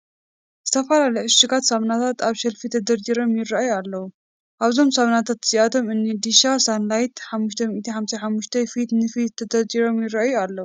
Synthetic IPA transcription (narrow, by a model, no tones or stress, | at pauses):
z̥ɨt̪ʰɐfɐlaljʕɨʃɨɡat̪sɐβnat̪ʰat̪aβʃɐlfit̪ʰɐd̪ɐɾd͡ʒiɾo̞mjɪrːajualːɐwu | ʔaβzo̞msɐβnat̪ʰat̪z̥iʔat̪ʰo̞mɨnːid̪iʃasanlajt̪ħamːuʃt̪ʰɐmiʔt̪ʰiħamsɐħamːuʃt̪ʰɐfit̪nɨfiɐd̪ɐɾd͡ʒiɾo̞mjɪraʔajualːɐwu